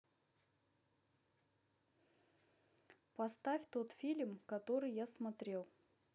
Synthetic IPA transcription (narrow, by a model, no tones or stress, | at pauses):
pɐst̪afʲt̪o̞t̪fʲilʲmkɐt̪o̞ɾɨjjasmɐt̪ɾʲe̞lˠ